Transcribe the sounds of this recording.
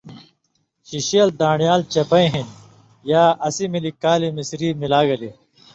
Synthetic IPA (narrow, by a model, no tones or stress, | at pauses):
ɕiɕiɐld̪ãːɳjaːlt͡ɕɐpɐĩɦin | jaːʔɐsimilikaːlimisɾiːmilaːɡɐli